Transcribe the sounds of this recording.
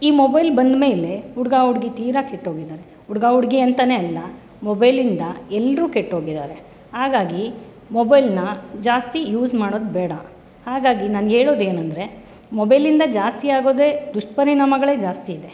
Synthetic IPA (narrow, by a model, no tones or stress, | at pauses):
iːmɔbɐjlbɐnd̪me̞ːle̞uɽɡaːɦuɽɡit̪iːɾakeʈːɦo̞ːɡid̪aːɾe̞ | uɽɡaːɦuɽɡiɐnt̪aːne̞ɐlːɐ | mɔbɐjlind̪ɐɛlːɾuːkeʈːɦo̞ːɡid̪aːɾe̞ | haːɡaːɡi | mobɐjlnɐd͡ʒaːst̪ijuːzmaːɽo̞ːd̪bɛːɽɐ | haːɡaːɡinaːneːɭoːd̪eːnɐnd̪ɾe̞ | mɔbɐjlind̪ɐd͡ʒaːst̪iaːɡo̞ːd̪eːd̪uʂʈpɐɾiɳaːmɐɡɐɭe̞ːd͡ʒaːst̪iːd̪e